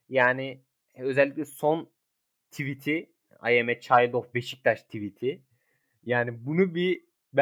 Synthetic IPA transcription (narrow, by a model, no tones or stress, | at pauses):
jaːnɪ | ø̞zɛlʲːic̚ʲlʲɛson | t̪ʰivit̪ʰi | a̰jemɛt͡ʃʰajld̪ofbeʃi̥c̚t̪ʰaʃt̪ʰivit̪ʰi | jaːnibunubi | b